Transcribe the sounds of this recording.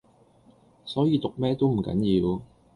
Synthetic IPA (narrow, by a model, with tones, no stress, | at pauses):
sɔː˨˥jiː˨˧t̪ʊ˨k̚mɛː˥t̪o˥wm̩˨˩kɐ̰˨˥njiː˧w